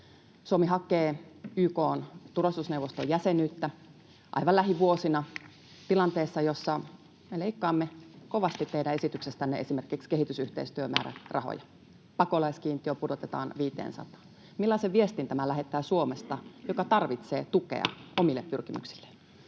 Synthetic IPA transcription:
suomiɦɑkːˑeːyːkoːnt̪urɑst̪usneuʋost̪ojæsenyːt̪ːæ | ʔɑ̰iʋɑlæɦiʋuosinɑ | t̪ilɑnt̪eːsːɑjosːɑ | meleikːɑːmːekoʋɑst̪it̪ːeidæesit̪yksest̪ænːḛesimerkikskehit̪ysyht̪ḛist̪yømæ̰ːɾæ̰rʔɑ̰ho̰jɑ | pɑkolɑiskiːnt̪iøpudot̪et̪ɑ̰ːnʋiːt̪ḛːnsɑ̰t̪ɑ̥ːn | milːɑiseʋʋiest̪int̪æmælæɦet̪ˑːæːsuomest̪ɑjokɑt̪ɑrʋit̪seːt̪ukḛɑ̰ʔomilːeppyrkimy̰ksi̥lːe̥

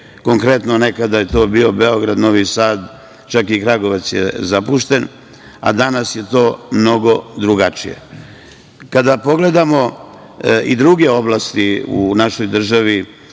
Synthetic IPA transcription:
ko̞ŋkɾe̞t̪none̞kad̪ajet̪o̞ːbio̞beo̞ɡɾad̪no̞ʋisaːd̪ | t͡ʃakikɾaɡo̞ʋat̪sjḛzapuʃt̪e̞n | a̰d̪anasje̞t̪o̞ːmno̞ɡo̞d̪ɾuɡat͡ʃḭjḛ | kad̪apo̞ɡle̞d̪amo̞ | ḭd̪ɾuɡe̞o̞blˠast̪iṵnaʃo̞jd̪r̩ʒaʋi

